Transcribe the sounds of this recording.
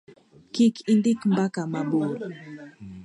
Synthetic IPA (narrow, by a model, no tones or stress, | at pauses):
kikindikm̩bakamaɓuɾ